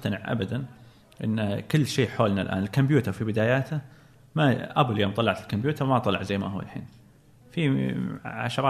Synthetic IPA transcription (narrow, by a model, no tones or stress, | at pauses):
t̪anɪʕʔa̰bad̪an | ʔɪnːkɪlːʃiːħoːlnalʔa̰ːnɪlkʊmbjuːt̪ɑɾˤfibɪd̪aːjaːt̪a | maʔabaljoːmt̪ˤɑlːɑʕat̪ɪlkombjuːt̪ɑɾmat̪ˤɑlɑʕzajːmahʊwːa̰lħḭːn | fi | ʕa̰ʃɾˤɑ